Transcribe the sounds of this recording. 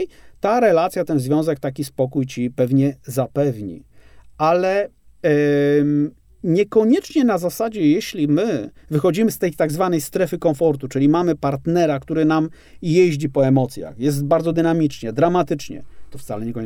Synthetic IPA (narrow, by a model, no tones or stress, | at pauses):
t̪aɾɛlat̪sʲjat̪ɛnzvʲjɔ̃w̃zɛk̚t̪akʲispɔkujt͡ɕipɛvɲɛzapɛvɲḭalɛ | ɲɛkɔɲɛt͡ʂɲɛnazasad͡ʑɛjeɕlʲimɘvɘxɔd͡ʑimɘst̪ɛjt̪aɡzvanɛjst̪ɾɛfɘkɔ̃fɔɾt̪ut͡ʂɘlʲimamɘpaɾt̪nɛɾakt̪uɾɘnam | jeʑd͡ʑipɔɛmɔt̪sʲja̰xjɛst̪̚baɾd̪zɔd̪ɘnamʲit͡ʂɲɛd̪ɾamat̪ɘt͡ʂɲɛ̰t̪ɔft̪salɛɲɛkɔɲ